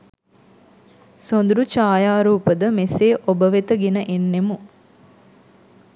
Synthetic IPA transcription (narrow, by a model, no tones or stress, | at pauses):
sond̪uɾut͡ʃaːjaːɾuːpəd̪əmeseːʔobəʋet̪əɡenəʔenːemu